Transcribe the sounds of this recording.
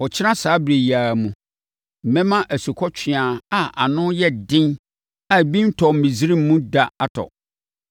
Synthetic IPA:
wɔ˨t͡ɕʰɪ˦ã˦saː˨˦bɾe˨ji˨a˨mũ˨ | m̩˨mɛ̃˦mã˦ʔæ˨su˨kʰɔ˦t͡ɕᶣʰɪ̃˨a˨a˨ʔa̰˨nʊ̃˦jɛ˦dɪ̃˦n | a˦˨bĩ˦n̩˦tʰɔ˨m̩˨mĩ˨zi˦ɾĩ˦m˦mũ˦da˨a˦tʰɔ̰˨

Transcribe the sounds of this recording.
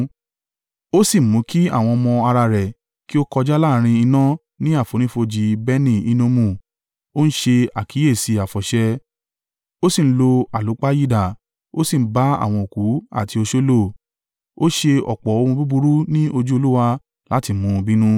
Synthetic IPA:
o˦si˦˨˦mũ˨˦ki˦a̰˦˨w̃ɔ̃˧ɔ˧mɔ̃˧a˧ɾa˧ɾɛ˨ | ki˦o˦kɔ˧d͡ʒa˦la˦˨˦ɾ̃ĩ˧i˧nã˦ | nĩ˦a˦˨fo˨ɾ̃ĩ˦fo˧d͡ʒi˧bɛ˦nĩ˦˨i˦nũ˦mũ˦˨ | o˦n̩˦ʃe˧a˨kʰi˨˦e˦˨si˧a˨fɔ˨ʃɛ˧ | o˦si˦˨n̩˦lo˧a˨lu˨˦k͡pa˦ji˦˨da˨ | o˦si˦˨˦ba˦a̰˦˨w̃ɔ̃˧o˨ku˨˦a̰˦˨ti˧o˧ʃo˦lo˦˨ | o˦ʃe˧ɔ̰˨k͡pɔ˨o˧ũ˧bu˦bu˧ɾu˦nĩ˦o˧d͡ʒu˦o˧lu˦wa˧ | la˨˦ti˧˦mũ˧bĩ˦nũ˦

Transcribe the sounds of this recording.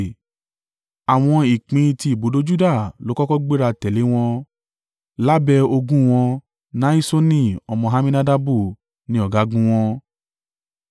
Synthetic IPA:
a˨w̃ɔ̃˧i˨k͡pĩ˧ti˧i˨bo˨˦do˦d͡ʒu˦da˦˨lo˨˦kɔ˦kɔ˦ɡ͡be˦ɾa˧tɛ˨le˨˦w̃ɔ̃˧ | la˦bɛ˧o˧ɡũ˦w̃ɔ̃˧ | nã˨˦i˦so˦nĩ˦ɔ˧mɔ̃˧ɦa˦mĩ˦na˦da˦bu˦˨ | nĩ˦ɔ˦˨ɡa˨˦ɡũ˦w̃ɔ̃˧

